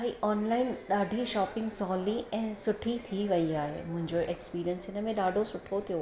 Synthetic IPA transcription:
aɦiʔɔːnlaːɪnɗaːɖʱiʃɔːpɪ̃ŋɡsɔːliɛ̃ːsʊʈʰit̪ʰiʋɐiaːɦḛmʊ̃ɦɪ̃ɲd͡ʑoʔekspiːɾijənsɪnə̆mẽɗaːɖʱosʊʈʰot̪ʰijo

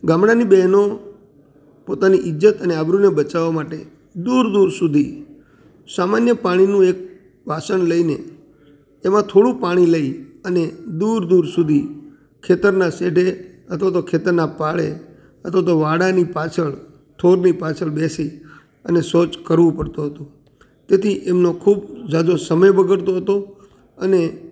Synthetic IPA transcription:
ɡamɽanibɛɦno | pot̪aniʔɪd͡ʒət̪əneabɾunebət͡ʃaʋamaʈḛ | d̪uɾd̪uɾsud̪ʱi | samanjəpaɽ̃inũek̚ | ʋasəɳləineː | mãt̪ʰoɽũpaɽ̃iləiəned̪uɾd̪uɾsud̪ʱi | kʰet̪əɾnaseɖʱe | ət̪ʰʋat̪okʰet̪əɾnapaɭḛ | ət̪ʰʋat̪oʋaɽanipat͡ʃʰəɭ | t̪ʰoɾnipat͡ʃʰəɭbesi | ənesot͡ʃkəɾʋũpəɽt̪oɦət̪õ | t̪et̪ʰiʔemnokʰubd͡ʒad̪osəməjbəɡəɭt̪oɦət̪o | əne

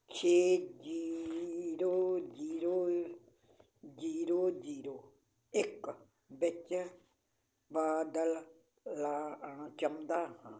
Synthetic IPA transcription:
t͡ʃʰeːd͡ʒi | ɾoːd͡ʒiːɾoː | d͡ʒiːɾoːd͡ʒiːɾoː | ɪk | bɪt͡ʃ | baːd̪əlː | aːəɳt͡ʃəmd̪aːhã

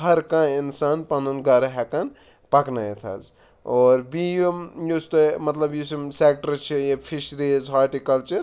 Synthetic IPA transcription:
ɦɐɾkãinsaːnpɐnunɡɐɾɦɛkan | pɐknajet̪ʰa̰z | ɔːɾbijomjost̪omɐt̪lɐbjisimsek̚ʈəɾt͡ʃʰijepʰiʃɾizɦaːɾʈikɐlt͡ʃɐɾ

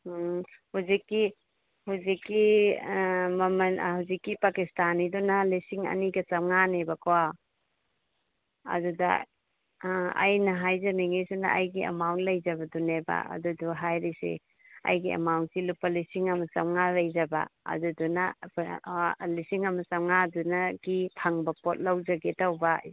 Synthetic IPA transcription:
huzikːi | huzikːi | mɐmɐnhuzikːipakistanidunalisiŋɐ̰niɡɐt͡ʃɐmŋanebɐkʰowa | ɐ̰dudɐ̰ | a̰jnɐɦajzaniŋesena̰ʔajɡiɐ̰mawnlɐjzɐbɐdunebɐ̰ɐ̰duduɦajɾisḛ | ɐ̰jɡiɐ̰mawnsilupːɐlisiŋɐmɐsɐŋalɐjzɐbɐ̰ːdudunɐ | lisiŋɐmɐt͡ʃɐmŋadunɐɡipʰɐŋbɐpot̚lawd͡ʒɐɡetawba

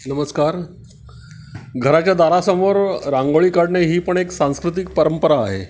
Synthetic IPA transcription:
nəməskaɾ | ɡʱəɾat͡ɕjad̪aɾasəmoɾɾãŋɡoɭiːkaɽɳeɦiːpəɳeksãñskɾut̪̬ik̚pəɾəmpəɾaːɦḛ

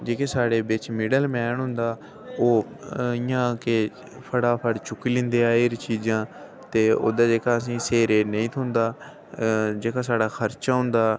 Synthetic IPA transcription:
d͡ʒeːkeːsaːɽeːbɪt͡ʃmɪɖəlmɛːɳɦʊnd̪aː | oː | ɪjãːke | pʰəɽaːpʰəɽt͡ʃʊkːiːlɪ̃nd̪eːaːeɾt͡ʃiːd͡ʒãː | t̪eːo̰ːd̪aːd͡ʒeːkaːəs̬ĩːseːɾeːnəĩːt̪ʰʊnd̪aː | d͡ʒeːkãːsaːɽaːkʰəɾt͡ʃaːɦʊ̃nd̪aː

